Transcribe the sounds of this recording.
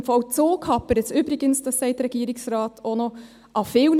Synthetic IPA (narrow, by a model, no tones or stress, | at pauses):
fɑʊt̪soːkʰɑpːəɾət̪sʉbɾɪɡənsd̪ɑsæɪt̪ɾɛɡiːɾɪŋsɾɑːt̪ʰɔnoː | ʔɑfeʊn